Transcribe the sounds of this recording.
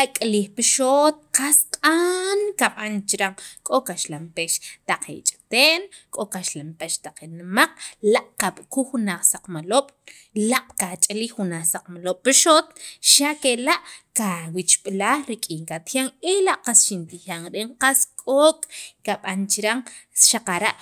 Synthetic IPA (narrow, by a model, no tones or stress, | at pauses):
akʼliːχpiʃot̪̚qasqʼankaɓant͡ʃiɾaŋkʼokaʃlampeʃt̪aq͡χḛt͡ʃʼt̪eːn | kʼokaʃlampeʃt̪aq͡χenmaq͡χ̚laʔkaɓkuχunaχsaq͡χmaloːɓ̥ | laqʼkat͡ʃʼalixunaːχsaq͡χmaloɓ̥ːiʃot̪ʃakelaʔkawit͡ʃɓlaːχɾikʼiːŋkat̪jaŋelaʔqasʃint̪ixaŋɾeɴqaskʼokʼkaɓant͡ʃiɾaŋʃaqaɾaʔ